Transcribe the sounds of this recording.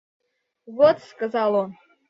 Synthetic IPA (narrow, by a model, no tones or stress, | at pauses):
vot̪skəzɑlˠo